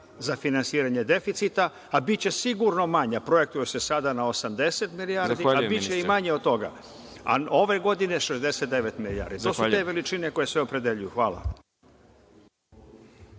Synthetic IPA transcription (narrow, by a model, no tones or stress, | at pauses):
zafinansiːɾaɲe̞d̪e̞fit̪sit̪aː | bitt͡ɕe̞siɡuɾno̞maɲapɾoje̞k̚t̪ujese̞sad̪anao̞samd̪e̞se̞t̪miliaːɾd̪iabit͡ɕeimaɲeod̪̚t̪o̞ɡa̰ | a̰o̞ʋe̞ɡo̞d̪ine̞ʃezd̪e̞se̞t̪̚d̪e̞ʋe̞t̪milia̰ːɾd̪it̪o̞sueʋe̞lit͡ʃine̞ko̞je̞sʋe̞o̞pɾe̞d̪e̞ʎujuxʋaːlˠa̰